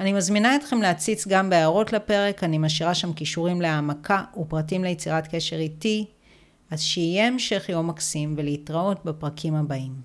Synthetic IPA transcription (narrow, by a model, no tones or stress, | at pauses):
animazminaet̪χe̞mleat͡sit͡sɡambeaːʁo̞tlape̞ʁe̞kanimaʃiʁaʃamkiʃuʁimleamakʰaupʁatimlejet͡siʁatke̞ʃe̞ʁiti | azʃeijeːmʃe̞χjomaksimve̞leitʁao̞t̚bepʁakʰimhabaim